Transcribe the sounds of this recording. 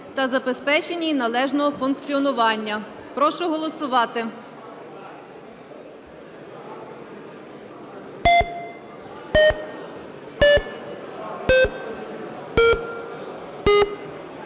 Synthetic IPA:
t̪ɐzɐbespɛt͡ʃenʲinɐlˠɛʒnɔɦɔfʊnkt͡sʲiɔnʊʋɑnʲːɐ | pɾɔʃʊɦɔlˠɔsʊʋɑt̪ɪ

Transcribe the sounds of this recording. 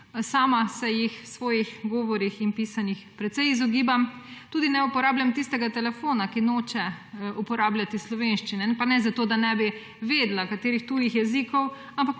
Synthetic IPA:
saːmasɛjixsʋɔːjixɡɔːʋɔɾixinpiːsanixpɾɛt̪sɛjizɔɡiːbamt̪uːd̪inɛupɔɾaːblʲjʲamt̪ist̪ɛɡat̪ɛlɛfoːnakinoːt͡ʃɛupɔɾaːblʲat̪islɔʋenʃt͡ʃinɛpanɛzat̪oːd̪anɛbi | ʋeːd̪lakat̪eːɾixt̪uːjixjɛzikɔw | ampak

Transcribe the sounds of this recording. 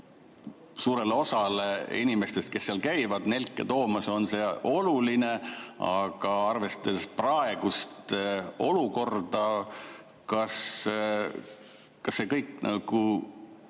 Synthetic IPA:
suːɾe̞lo̞sɑleinime̞st̪e̞st̪̚ke̞sːeɑlkæjvɑd̪ne̞lkːˑet̪o̞ːmɑso̞nse̞o̞luline̞ɑ̰ɡ̥ɑɑrve̞st̪esprɑe̞ɡ̥ust̪o̞luko̞rd̪̥ɑ | kɑs | kɑsːe̞kɤjkːˑnɑɡ̥u

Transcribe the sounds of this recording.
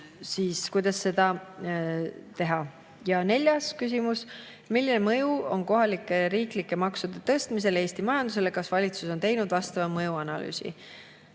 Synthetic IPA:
siːskujd̪̥ɑsːe̞d̪̥ɑ | t̪e̞ɦɑ | jɑne̞lʲjɑskys̬imus | milːinemɤjuo̞nko̞ɦɑlikːˑeɾiːklikːˑe̞mɑksud̪̥e̞t̪ɤ̞st̪mise̞leːst̪imɑjɑnd̪̥us̬e̞lekɑsvɑlʲit̪suso̞nt̪e̞jnud̪vɑst̪ɑvɑmɤjuɑnɑly̰ːsḭ

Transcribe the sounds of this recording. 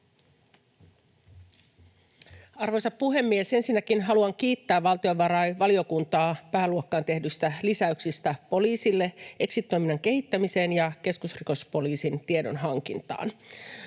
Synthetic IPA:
ɑrʋo̞jsɑppuɦe̞mːiese̞nsinːækinɦɑluɑŋk̟iːt̪ːæːʋːɑlt̪io̞ʋʋɑɾɑjʋɑlio̞kunt̪ɑːpæːluokːɑːnt̪e̞hdyst̪ælisæyksist̪æpo̞liːsilːee̞ksit̪ːˑojminːɑŋke̞ɦit̪ːæmise̞ːnjɑke̞skusriko̞spo̞liːsint̪iedo̞̰nɦɑŋk̟int̪ɑ̰ːn

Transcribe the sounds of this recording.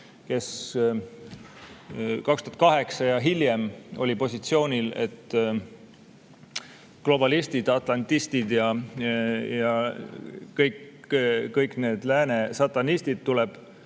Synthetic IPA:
ke̞s | kɑkst̪uɑt̪̚kɑɦe̞ksɑjɑɦiljemo̞̰lʲipo̞sʲit̪sio̞ːnʲile̞̰t̪ː | klo̞bɑlist̪id̪̥ɑt̪ˑlɑnt̪ːist̪id̪jɑ | jɑ | kɤjk | kɤjkne̞ːd̪̥læːnesɑt̪ːˑɑnisʲt̪id̪̥̚t̪ːulɛb̥

